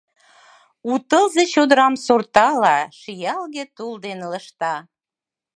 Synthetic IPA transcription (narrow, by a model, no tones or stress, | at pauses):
ut̪əlzet͡ɕod̪əɾɑmsort̪ɑlɑʃijɑlɣet̪uld̪enləʃt̪ɑ